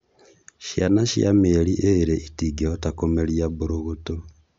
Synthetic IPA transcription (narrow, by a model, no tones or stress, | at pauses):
ʃjanaʃja̰meɾiʔeɾeʔitiɡeotakomeɾiaβoɾoɣoto